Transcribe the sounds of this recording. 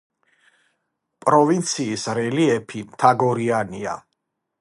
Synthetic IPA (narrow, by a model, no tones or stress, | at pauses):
pʼɾɔvint̪sʰiːsɾɛliɛpʰimt̪ʰaɡɔɾiania̰